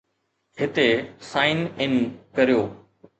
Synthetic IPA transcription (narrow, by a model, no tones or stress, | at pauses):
ɦɪt̪esaːɪnɪnkɐɾijoː